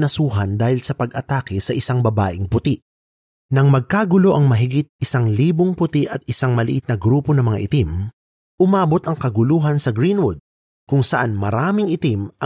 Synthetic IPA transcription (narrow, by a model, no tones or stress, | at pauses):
nɐsuːɦɐnd̪aːhɪlsɐpɐɡʔɐt̪aːkɪsɐʔɪsaŋbɐba̰ːʔɪŋpʊt̪iʔ | nɐŋmɐɡ̚kaɡʊlo̞ʔɐŋmɐɦɪɡit̪̚ʔɪsaŋliːboŋpʊt̪iʔɐt̪̚ɪsaŋmɐlɪʔɪt̪̚nɐɡɾuːpo̞nɐmɐŋa̰ʔɪt̪im | ʔʊmaːbo̞t̪ɐŋkɐɡʊluːɦɐnsɐɡɾinwʊd̪̚ | kʊŋsɐʔanmɐɾaːmɪŋɪt̪imɐ